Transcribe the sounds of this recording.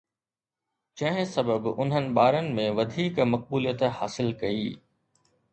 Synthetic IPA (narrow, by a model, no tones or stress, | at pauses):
d͡ʑɐ̃ɦɪ̃sɐbəbʊ̰n̤ɦənɪ̆ɓaːɾənɪ̆mẽʋɐd̪ʱiːkmɐq̚buːlijət̪haːsɪlkɐiː